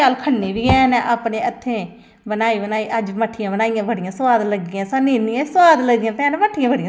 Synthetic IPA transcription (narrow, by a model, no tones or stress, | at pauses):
aːlkʰəlːeːbiːɛːnɛ̃ːʔaːpneːət̪ʰːẽː | bənaːiːbənaːiːʔəd͡ʒməʈʰːɪjãːbənaːijãːbəɽɪjãːsʋaːd̪ləɡːɪjãːsanːiːnːijãːsəwaːd̪ləɡɪjãːt̪enməʈʰːɪjãːbəɽijãː